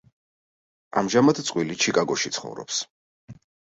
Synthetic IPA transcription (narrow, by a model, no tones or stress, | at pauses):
amʒamat̪ʰt̪sʼwilit͡ʃʰikʼaɡɔʃit̪sʰχɔ̰vɾɔ̰ps